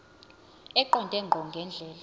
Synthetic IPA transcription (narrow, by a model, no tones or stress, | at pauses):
ɛǃɔndʱʼɛŋ͡ǃʱɔŋɡʱɛnd͡ɮʱɛːla